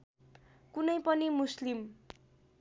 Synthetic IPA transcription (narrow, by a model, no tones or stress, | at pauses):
kunʌjpʌnimuslim